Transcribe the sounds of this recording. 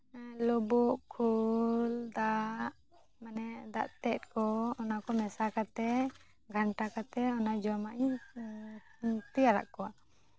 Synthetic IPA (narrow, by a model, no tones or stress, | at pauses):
lɔbuʔkʰuld̪aʔ | manɛd̪a̰ʔt̪ɛt̪̚kɔɔnakɔmɛsakat̪ɛ | ɡʱaɳʈakat̪ɛɔnad͡ʒɔmaʔ | t̪iaɾa̰ʔkɔwa